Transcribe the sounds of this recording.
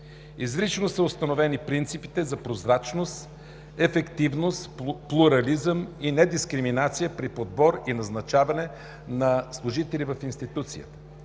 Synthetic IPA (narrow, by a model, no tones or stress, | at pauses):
izɾit͡ʃnosəʊst̪ɐnovɛnipɾint̪sipi̥t̪ɛzɐpɾozɾat͡ʃnost̪ | ɛfɛkt̪ivnost̪plˠuɾɐlizəminɛd̪iskɾiminat̪sijəpɾipod̪̚bɔɾinɐznɐt͡ʃavɐnɛ | nɐslˠʊʒit̪ɛlʲivɐfinst̪it̪ut̪sijə̰t̪ə̥